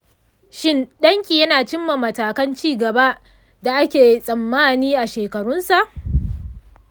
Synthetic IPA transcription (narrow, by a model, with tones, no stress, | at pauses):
ʃɪ˦nɗɐ˦ŋkʲiː˨jɐ˦naː˨t͡ʃɪ˦mːa˨mɐ˨taː˨kɐ˦nt͡ʃiː˦˨ɡɐ˨ba˦ | da˨ʔa˦kʲeː˨i˦sʼɐ˨mːaː˦niː˦ʔa˨ʃeː˨kɐ˨ɽʊ˦nsa˨ʔ